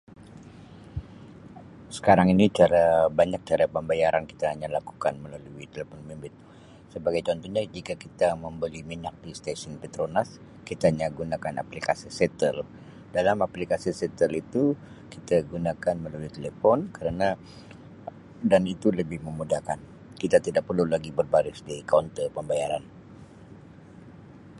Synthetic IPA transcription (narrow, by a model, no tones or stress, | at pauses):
sə̥kaɾaŋinit͡ʃaɾabaɲak̚t͡ʃaɾapəmbajaɾʔanki̥t̪aɦaɲalaku̥kanməlaluit̪elefɔnmimbɪt̪̚ | səbaɡajt͡ʃɔnt̪ɔɲad͡ʒikakit̪aməmbəlimiɲak̚dist̪asɔnpɛt̪ɾonas | kit̪aaɲaɡunakana̰plikasisɛt̪əl | dalamaplikasisɛt̪əlit̪u | kit̪aɡunakanməlaluit̪elefɔnkəɾana | danit̪uləbɪhməmudahkan | kit̪at̪idaʔ̚pərlulaɡibərbaɾɪsdikawnt̪əpəmbajaɾan